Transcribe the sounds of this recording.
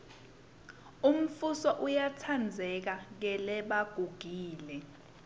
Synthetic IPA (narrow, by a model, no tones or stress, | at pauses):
um̩fusɔʔujatʰand͡zʱɛk̬ak̬ɛlɛɓaɡ̥ʱuɡ̥ʱiːlɛ